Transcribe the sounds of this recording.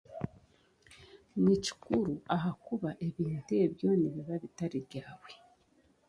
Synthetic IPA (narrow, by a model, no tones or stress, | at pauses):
mici̥kuɾuaɦakuβaʔe̞βiːntueβjo̞ːniβiβaβitaɾiβɟaːβwe̞